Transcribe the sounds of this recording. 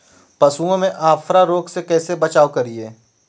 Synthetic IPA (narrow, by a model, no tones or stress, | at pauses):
pɐsuːõmẽʔaːfɾaɾoːɡsekɛːsebɐt͡ʃaːwkɐɾieː